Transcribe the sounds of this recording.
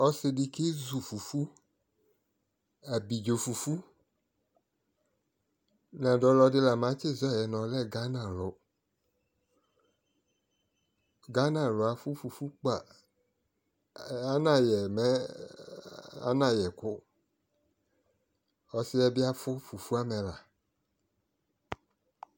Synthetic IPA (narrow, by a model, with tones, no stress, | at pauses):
ɔ˨sɪ˧di˨ke˦zu˨fu˨fu˦ | a˨bi˨d͡ʒo˨fu˨fu˦ | nã˨dɔ˨lɔ˧dɪ˦la˨mã˨˦t͡ʃɪ˦˨zɔ˦˨jɛ˨nɔ̃˨lɛ˦ɡa˦nã˨lɔ˨ | ɡa˦nã˨lɔ˨a˨fu˦fu˨fu˦k͡pa˨ | a˦nã˨jɛ˨mɛ˦ | a̰˦nã˨jɛ˨kʊ˦ | ɔ˨sɪ˦ɛ˦bɪ˦a˦fʊ˦fu˨fu˦a˦mɛ˨la˨